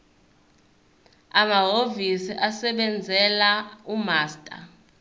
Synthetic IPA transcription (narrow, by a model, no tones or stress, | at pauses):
amaɦovisiʔasɛɓɛnd͡zʱɛlaumaːstʼa̰